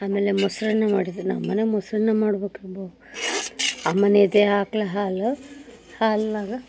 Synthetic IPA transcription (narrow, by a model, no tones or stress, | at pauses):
aːmeːlemusɾɐnːɐmaːɽit̪ːunɐ̰mːɐnemusɾɐnːɐmaːɽbeːkiɾboːu | ɐmːɐneːd̪eaːklɐɦaːl | haːlnaːɡɐ